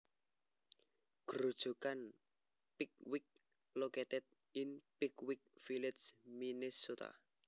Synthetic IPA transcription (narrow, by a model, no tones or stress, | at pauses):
ɡ̥ɾud̥ʒ̥ṳkan | pik̚wɪk̚ | loket̪ɛt̪̚ | ɪnpikwɪk̚filɪt̪sminɪsːut̪a̰